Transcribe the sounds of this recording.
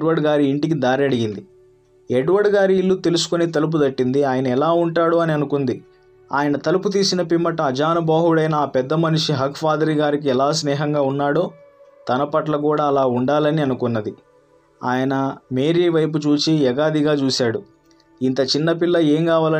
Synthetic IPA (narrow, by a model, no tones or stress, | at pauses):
ɖʋɐɖɡaːɾiːɳʈik̬id̪aːɾiɐɽiɡind̪i | ɛɖʋɐɖɡaːɾiːlːut̪e̞lus̬u̥konet̪ɐlup̬ud̪ɐʈːind̪iaːjɐnɐɛlaːuɳʈaːɽoːɐniɐnukund̪i | a̰ːjɐnɐt̪ɐluput̪̬iːsinɐpimːɐʈɐːd͡ʒaːnɐbaːɦuɽɐjnɐːpɛd̪ːɐmɐnuʂiɦɐkpʰaːd̪ɐɾiɡaːɾik̬iɛlaːsnɛːɦɐŋɡaːunːaːɽoːt̪ɐnɐpɐʈlɐk̬uːɽaːlaːuɳɖaːlɐniɐnukunːɐd̪i | a̰ːjɐnɐmeːɾiːʋɐjp̬ut͡ʃuːt͡ʃiɛɡaːd̪iɡaːt͡ʃuːsaːɽu | int̪ɐt͡ʃinːɐpilːɐeːŋkaːʋaːlɐ